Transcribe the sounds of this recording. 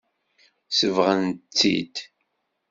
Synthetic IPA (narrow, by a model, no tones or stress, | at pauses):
səvʁənt͡sːḭd̪